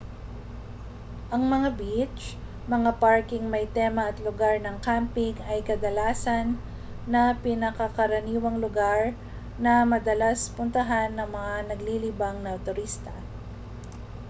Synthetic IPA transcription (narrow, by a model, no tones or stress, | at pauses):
ʔɐŋmɐŋabit͡ʃ | mɐŋapaɹkɪŋmɐjt̪ɛmɐɐt̪lʊɡaɹnɐŋkampɪŋɐjkɐd̪ɐlaːsɐnː | ɐpɪnɐkɐkɐɾɐniːwɐŋlʊɡaɹ | nɐmɐd̪ɐlaspʊnt̪ɐɦanːɐŋmɐŋanɐɡlilibɐŋnɐt̪ʊɾist̪ɐ